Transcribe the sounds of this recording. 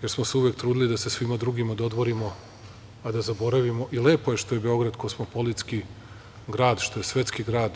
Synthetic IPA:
je̞ɾsmo̞seuʋjek̚t̪ɾuːd̪ilid̪ase̞sʋimad̪ɾuɡimad̪o̞d̪ʋo̞ɾimo̞ | ad̪azabo̞ɾaʋimo̞ʔile̞ːpo̞jeʃt̪o̞jebe̞o̞ɡɾad̪kosmopolit̪ski | ɡɾaːd̪ʃt̪o̞jesʋe̞t̪skiɡɾaːd̪

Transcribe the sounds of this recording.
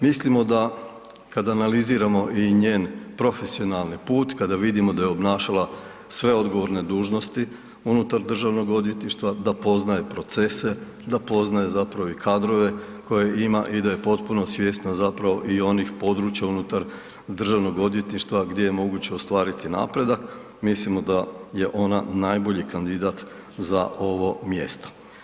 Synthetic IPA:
mislimo̞d̪a | kad̪aːnaliziːɾamo̞ʔiɲe̞ːnpɾo̞fe̞sio̞nalˠnipuːt̪kad̪aʋid̪imo̞d̪ajeo̞bnaːʃala | sʋe̞o̞d̪ɡo̞ʋo̞ɾne̞d̪uːʒno̞st̪i | unut̪aɾd̪r̩ʒaʋno̞ɡo̞d̪je̞t̪niʃt̪ʋad̪apo̞znaje̞pɾo̞t̪se̞se̞ | d̪apo̞znaje̞zapɾaʋo̞ikʰad̪ɾo̞ʋe̞ | ko̞je̞ima̰ʔid̪aje̞po̞t̪puno̞sʋje̞ːst̪nazapɾaʋo̞ʔio̞nixpo̞d̪ɾuːt͡ɕjaunut̪aɾ | d̪r̩ʒaʋno̞ɡo̞d̪je̞t̪niʃt̪ʋaɡd̪je̞jemo̞ɡut͡ɕeost̪ʋaːɾit̪ina̰pɾe̞d̪ak | mislimo̞d̪aje̞ʔo̞nanajbo̞ʎikand̪id̪at̪ | za̰ʔo̞ʋo̞mje̞̰st̪o̥

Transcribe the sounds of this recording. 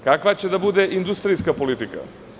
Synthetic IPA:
kakʋat͡ɕe̞d̪abud̪eʔind̪ust̪ɾiskapo̞lit̪ika̰

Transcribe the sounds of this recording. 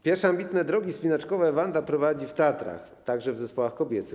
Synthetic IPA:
pʲjɛɾfʂɛambʲit̪nɛd̪ɾɔɡʲispʲinat͡ʂkɔvɛvand̪apɾɔvad͡ʑift̪ɛat̪ɾa̰x | t̪aɡʐɛvzɛspɔwaxkɔbʲjɛt̪sɘ

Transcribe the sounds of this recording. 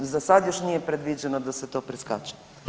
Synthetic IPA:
zasad̪joʃnijepɾed̪ʋid͡ʒɛnod̪aset̪oːpɾiska̰t͡ʃɛ̥

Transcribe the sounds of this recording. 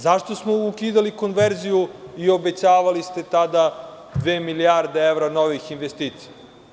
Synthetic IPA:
zaʃt̪o̞smoukiːd̪aliko̞nʋeɾzijuio̞bet͡ɕaːʋalist̪e̞t̪ad̪a | d̪ʋeːmiliaɾd̪eeʋɾano̞ʋixinʋest̪iːt̪si̥ja

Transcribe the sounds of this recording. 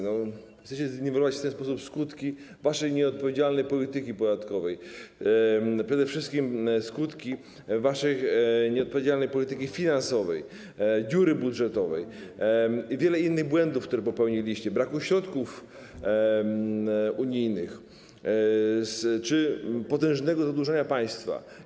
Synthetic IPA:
nɔ | t̪ɛɕt͡ɕɛzʲnivʲɛɾɔvat͡ɕft̪ɛnspɔsupskut̪kʲivaʂɛjɲɛɔt̪̚pɔvʲed͡ʑalnɛjpɔlʲit̪ɘkʲipɔd̪at̪kɔvɛj | pʂɛd̪ɛfʂɘst̪kʲimskut̪kʲi | vaʂɛjɲɛɔt̪̚pɔvʲed͡ʑalnɛjpɔlʲit̪ɘkʲifʲinansɔvɛj | ɡuɾɘbudʐɛt̪ɔvɛj | ivʲjɛlɛinːɘɣbwɛnd̪ufkt̪uɾɛpɔpɛwɲilʲiɕt͡ɕɛbɾakuɕɾɔt̪kuf | uɲijnɘx | st͡ʂɘpɔt̪ɛ̃w̃ʐnɛɡɔzad̪wuʐɛɲapaj̃st̪fa̰

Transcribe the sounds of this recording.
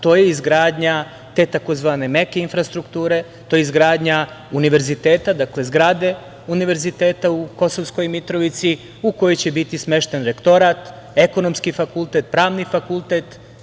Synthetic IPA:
t̪o̞ːjeizɡɾaːd̪ɲa | t̪e̞t̪ako̞zʋaːne̞me̞keinfɾast̪ɾukt̪uːɾe̞ | t̪oːjeizɡɾaːd̪ɲa | uniʋe̞ɾzit̪eːt̪ad̪aklezɡɾaːd̪e̞ | uniʋe̞ɾzit̪e̞ːt̪auko̞so̞ʋsko̞jmit̪ɾo̞ʋit̪si | uko̞jojt͡ɕe̞bit̪isme̞ʃt̪e̞nɾe̞kt̪o̞ɾaːt̪ | e̞ko̞no̞mskifakulˠt̪e̞t̪̚pɾaːʋnifakulˠt̪e̞t̪

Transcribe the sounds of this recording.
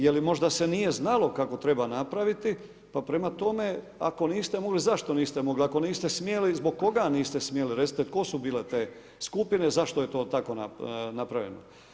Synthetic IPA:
jelimo̞ʒd̪ase̞nije̞znalo̞kako̞t̪ɾe̞banapɾaʋit̪i | papɾe̞mat̪o̞me̞ | a̰ko̞niːst̪emo̞ɡlizaʃt̪o̞niːst̪emo̞ɡliako̞niːst̪e̞smjelizbo̞ɡ̚kːo̞ɡaniːst̪e̞smjeliɾet̪it̪et̪ko̞subiːle̞t̪e̞ː | skupine̞zaʃt̪o̞jet̪o̞ːt̪ako̞nanapɾaʋjḛno

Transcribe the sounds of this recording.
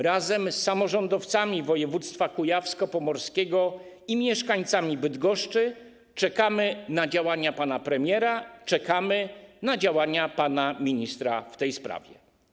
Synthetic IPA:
ɾazɛmsːamɔʐɔnd̪ɔft̪samʲivɔjɛvut̪st̪fakujafskɔpɔmɔɾskʲɛɡɔ | imʲjɛʂkaɲt̪samʲibɘd̪ɡɔʂt͡ʂɘ | t͡ʂɛkamɘnad͡ʑawaɲapanapɾɛmʲjɛɾat͡ʂɛkamɘnad͡ʑawaɲapanamʲiɲist̪ɾaft̪ɛjspɾa̰vʲjɛ̰

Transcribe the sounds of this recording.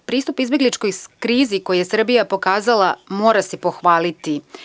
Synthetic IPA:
pɾiːst̪upizbje̞ɡlit͡ʃko̞jkɾiːziko̞jijesr̩bijapo̞kaːzalamoːɾasipo̞xʋaːlit̪i

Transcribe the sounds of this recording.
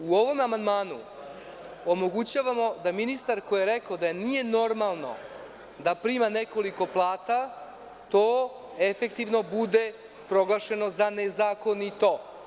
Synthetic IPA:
uo̞ʋo̞mamand̪maːnṵ | omo̞ɡut͡ɕaːʋamo̞d̪aminist̪aɾkojeɾekaod̪ajenije̞no̞ɾmalˠno̞̰ | d̪apɾimane̞ko̞liko̞plˠaːt̪a | t̪oː | efe̞k̚t̪iʋno̞bud̪e̞ | pɾo̞ɡlˠaʃe̞no̞zanezaːko̞nit̪o̞ː

